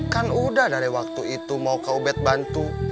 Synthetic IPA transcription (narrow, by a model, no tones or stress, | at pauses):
kanudahdaɾiwak̚t̪uit̪umaukaubɛt̪̚bant̪u